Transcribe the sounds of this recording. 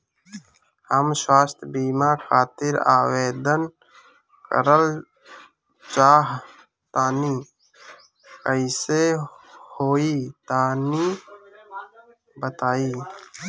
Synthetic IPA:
həmswaːst̪ʰbiːmaɾxʰaːt̪ɪɾa̰ːweːd̪ən | kə̰ɾəl | t͡ʃaːɦ | t̪aːni | kəɪsehoːit̪aːni | bət̪aːiː

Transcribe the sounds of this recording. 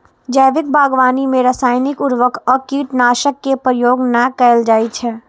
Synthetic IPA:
d͡ʒəʋɪk̚bʱaːɡʋaːnimẽɾəsaːjnikuɾʋəkʰəkiʈnaːʃəkːepɾəjoːɡnakəɪld͡ʒaːjt͡ʃʰɛ

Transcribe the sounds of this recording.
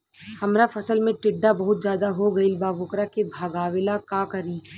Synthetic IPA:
hɐmɾafɐsəlmẽʈɪɖːabɐɦʊt̪̚zjaːd̪aɦoɡɐilbaːʋʊkɾakebʱaːɡaːʋɪlakaːkɐɾiː

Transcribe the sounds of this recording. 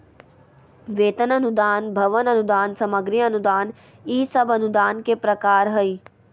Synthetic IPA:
ʋeːt̪ənɐnud̪aːnbʱɐʋənɐnud̪aːnsɐməɡɾijɐnud̪aːn | iːsɐbɐnud̪aːnkepɾɐkaːɾɦəi

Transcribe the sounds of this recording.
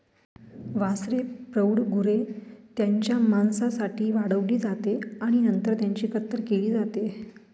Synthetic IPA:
ʋasɾepɾəwɽɡuɾet̪jaɲt͡ɕjamansasaʈiːʋaɽəʋliːd͡zat̪eaɽ̃inənt̪əɾt̪jaɲt͡ɕiːkət̪ːəɾkeliːd͡zat̪e

